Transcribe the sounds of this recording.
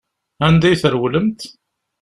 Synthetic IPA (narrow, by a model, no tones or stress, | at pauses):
ænd̪æjθəɾwləmt̪